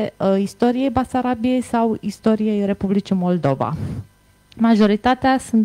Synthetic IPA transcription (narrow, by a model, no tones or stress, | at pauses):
ist̪o̞ɾije̞jbasaɾabije̞jsawist̪o̞ɾije̞jre̞publit͡ʃimo̞ld̪o̞va̰ | maʒo̞ɾit̪at̪easun